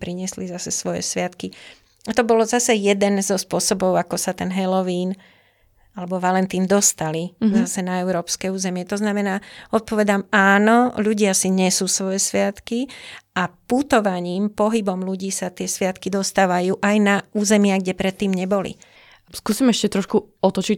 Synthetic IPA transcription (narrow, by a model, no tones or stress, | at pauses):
pɾiɲɪɛslizasɛsʋɔjɛ̰sʋɪat̪ki | at̪ɔbɔlɔzasɛjɛd̪ɛnzɔspʊɔsɔbɔʊakɔsat̪ɛnɦɛlɔʋiːn | alɛbɔʋalɛnt̪iːnd̪ɔst̪alizasɛnaɛʊɾɔːpskɛuːzɛmɪɛt̪ɔznamɛnaːɔt̪̚pɔʋɛd̪amaːnɔʎuɟɪasiɲɛsuːsʋɔjɛsʋɪat̪kiʔaput̪ɔʋaɲiːmpɔɦibɔmluɟiːsat̪ɪɛsʋɪat̪kid̪ɔst̪aːʋajuːʔajnauːzɛmɪaɡɟɛpɾɛt̪ːiːmɲɛbɔlḭ | skuːsimɛʃcɛt̪ɾɔʃkuɔt̪ɔt͡ʃi